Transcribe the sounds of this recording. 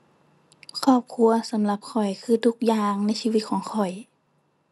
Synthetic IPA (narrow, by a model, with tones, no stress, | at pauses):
kʰɔː˧˩p̚kʰu˧ɐsa˩˦mla˧p̚kʰɔ˨˩jkʰɯː˧˩t̪ʰu˧˥k̚jaː˧ŋna˧˥jsiː˧wi˧t̪̚kʰɔː˨˩˦ŋkʰɔ˨˩j